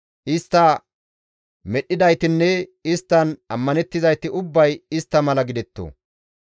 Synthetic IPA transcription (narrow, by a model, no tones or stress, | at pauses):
ʔɪst̪ːɐ | mɛɗːɪd̪ɐjt̪ɪnːɛɪst̪ːɐnɐmːɐnɛt̪ːɪzɐjt̪ɪʔʊbːɐjɪst̪ːɐmɐlɐɡɪd̪ɛt̪ːo̰ː